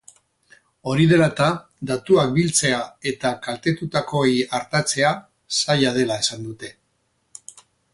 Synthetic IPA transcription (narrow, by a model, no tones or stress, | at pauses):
o̞ɾiðe̞lat̪a | d̪at̪uak̚bilt͡se̞ae̞t̪akalt̪e̞t̪ut̪ako̞ejaɾt̪at͡se̞a | sajað̞e̞lae̞sand̪ut̪e̞